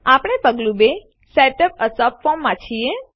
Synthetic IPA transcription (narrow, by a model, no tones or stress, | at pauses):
apɽ̃epəɡlũbe | seʈəp̚əsəpfɔmːãt͡ʃʰie